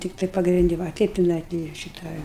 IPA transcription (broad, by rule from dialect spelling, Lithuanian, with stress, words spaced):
ˈtʲɪktɐɪ pɐɡrʲɪnʲˈdʲɪ ˈʋɐ ɐ ˈtʲɛɪp tʲɪˈnɐɪ ɡʲɪ ˈʃʲɪtɐ